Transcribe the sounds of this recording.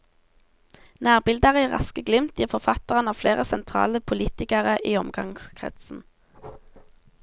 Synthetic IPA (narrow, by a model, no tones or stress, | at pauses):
næːʁbɪld̪əʁəiːʁɑ̰skəɡlɪmt̪jiːʁfɔʁfɑt̪əʁənɑːʋfleːʁəsɛnt̪ʰʁɑ̰ːləpʰʊliːt̪ɪkəʁəʔiːɔmɡɑ̰ŋskʰʁɛ̰t̪sn̩